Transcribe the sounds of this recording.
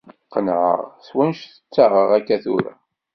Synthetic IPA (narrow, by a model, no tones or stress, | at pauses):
qːənʕə̰ʁswænʃθə̥t͡sːaʁəʁækːæθuɾa̰